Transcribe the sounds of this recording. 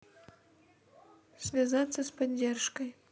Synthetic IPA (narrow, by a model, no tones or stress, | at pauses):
svʲazat̪sːɐspɐdʲːerʂkəj